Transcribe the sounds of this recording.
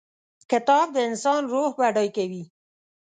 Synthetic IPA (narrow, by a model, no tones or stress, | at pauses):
kɪt̪ɑb̚d̪əɪnsɑnɾohbaɖɑjkawi